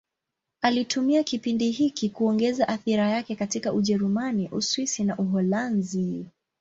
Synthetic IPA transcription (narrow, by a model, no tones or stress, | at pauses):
alitʰumiakipindiɦikikuɔŋɡɛzaʔaθiɾajakɛkatikaʔuʄɛɾumaniʔuswisinaʔuɦɔlanzi